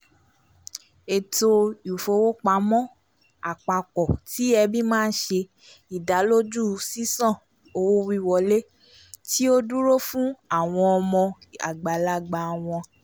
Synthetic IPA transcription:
e˨to˧u˨fo˧wo˦k͡pa˧˦mɔ̃˦ | a˨k͡pa˨kɔ˨ti˨˦ɛ˧bi˦mãː˦˧n̩˦ʃe˧ | i˨da˨˦lo˦d͡ʒu˦si˦sã˦˨ | o˧wo˦wi˧wɔ˧le˦ | ti˦o˦du˦ɾo˦fũ˦a˦˨w̃ɔ̃˧ɔ˧mɔ̃˧a̰˨ɡ͡ba˨la˦ɡ͡ba˨w̃ɔ̃˧

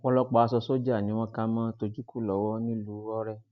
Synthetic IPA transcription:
wɔ˧lɔ˦k͡pa˧˨a˨˧sɔ˧so˦d͡ʒa˦˨nĩ˨˦w̃ɔ̃˦ka˦mãː˦to˧d͡ʒu˦ku˦˨lɔ˨wɔ˦nĩ˦lu˨˦ɔ˦ɾɛ˦˨

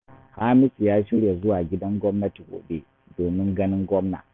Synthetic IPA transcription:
haː˦mɪ˦sjaː˦ʃɪ˦ɽje˨zʊ˦waː˨ɡʲɪ˦dɐ˦ŋɡʷɔ˦mnɐ˦ti˨ɡʷo̰ː˨ɓe˦ | doː˨mɪ˦ŋɡɐ˦nɪ˦ŋɡʷɔ˦mna̰˨

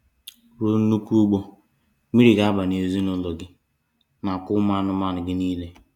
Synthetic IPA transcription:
ɾo˦n̩˦nu˦ku˦ɡ͡bo˦ | mi˦ɾi˨ɡa˦a˦ba˨n˨e˨zi˦nʊ˦lɔ˨ɡɪ˦ | na˨kʊ˦ma˦nʊ˦ma˦nʊ˨ɡɪ˦niː˦le˦

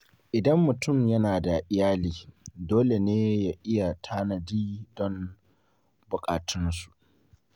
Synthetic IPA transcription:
ʔɪ˨dɐ˦mːʊ˨tʊ˦˨mjɐ˦naː˨da˨ʔɪ˨jaː˦liː˨doː˦le˨neː˦jaː˦ʔɪ˦ja˨tʰaː˦nɐ˨diː˦dɔ˦m | bʊ˨kʼa̰ː˨tʰʊ˦nsu̥˨ʔ

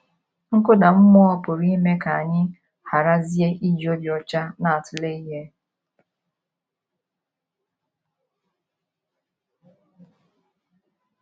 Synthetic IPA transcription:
ŋ̩˦kʊ˦da˨m̩˦mʊ˦ɔ˦pʊ˨ɾi˦i˦me˦ka˨a˨ɲɪ˦ | ha˨ɾa˦zi˦e˦ʔi˦d͡ʒi˨o˦bjɔ˨t͡ʃa˦na˨a˨tʊ˨le˦i˦ɦe˦

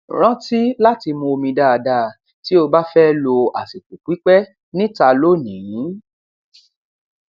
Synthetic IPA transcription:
ɾ̃ã˦ti˦la˦ti˧mũ˧o˧mĩ˧da˦˨a˧da˧˨ | ti˨˦o˧ba˦fɛ˦lo˧a̰˨si˨ku˨k͡pi˨˦k͡pɛ˦ | nĩ˦ta˧lo˦˨nĩ˨jĩ˨˦

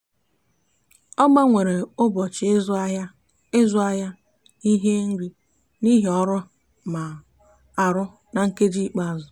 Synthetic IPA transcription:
ɔ˦ɡ͡ba˦ŋʷe˨ɾe˨ʊ˦bɔ˨t͡ʃɪ˨e˦za˦ja˦ | e˦zʊ˦a˦ja˦ | i˦ɦe˦ŋ̩˦ɾi˦ | ni˦ɦe˨ɔ˦ɾʊ˦ | ma˨ | a˨ɾʊ˦ | na˨ŋ̩˦ke˦d͡ʒi˦i˦k͡pa˦a˨zʊ˨

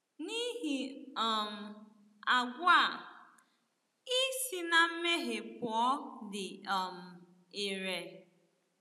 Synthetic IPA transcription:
ni˦ɦi˨ɔ˨m̩˨ | a˨ɡʷa˦˨ | i˦si˦na˦m̩˦me˦ɦe˨pɔ˨˦dɪ˨ɔ˨m̩˨ | e˨ɾe˨

